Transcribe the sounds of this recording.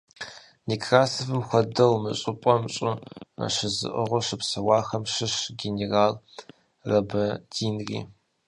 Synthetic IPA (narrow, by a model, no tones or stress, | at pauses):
nikʰraːsɐfɨmxʷɔdɐwmɨ̰ɕʼɪpʼɔmɕʼɨɐ̰ʂɨzɨ̰ʔɨʁʷɔʂɨpsɐwɑːxɐmʂɨʂɡʲeneraːl | rɐbɐdiːnrḭː